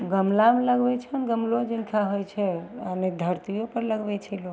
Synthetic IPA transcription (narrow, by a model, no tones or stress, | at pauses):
ɡəmlamləɡbɛt͡ʃʰənɡəmlod͡ʒinkʰaɦojt͡ʃʰɛaned̪ʱəɾt̪ijopəɾləɡbɛt͡ʃʰɛloɡ